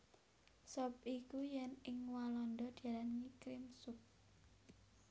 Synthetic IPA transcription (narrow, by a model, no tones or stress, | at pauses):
sɔp̚ikujɛnɪŋwalɔnd̪ɔd̪̥i̤alanŋikɾɪmsʊp̚